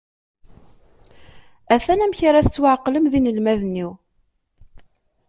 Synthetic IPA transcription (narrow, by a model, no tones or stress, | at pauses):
æθænæmçɾæθət͡sːwaʕqːləmðinəlmæðnːiw